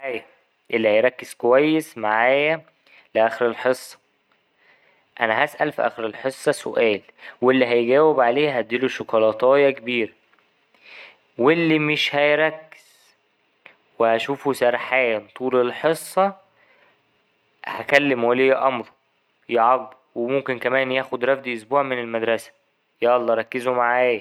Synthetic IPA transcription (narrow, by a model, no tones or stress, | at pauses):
æːjæ | ʔelːihæjɾˤɑkːez̥kowæjːesmaʕaːjæ | leʔæːxeɾelħesˤːɑ̥ | ʔænæɦæsʔælfiʔæ̰ːxeɾelħesˤːɑso̰ʔæːlwelːiɦæjɡæːwebʕaleːɦæt̪̚d̪iːluʃokɑlɑt̪ˤɑːjɑkebiːɾæ | welːimeʃhæjɾˤɑkːe̥z̥ | wehæʃuːfusæɾˤħæːnt̪ˤuːlelħesˤːɑ | hækælːemwelːijːæʔɑmɾˤɑ | jɑʕɑɡ̚buwemomkenkæmæːnjæːxod̪ɾˤɑfd̪iʔosbuːʕmenelmæd̪ɾˤɑsæ̥ | jæʔɑlˤːɑɾˤɑkːezomaʕaːjæ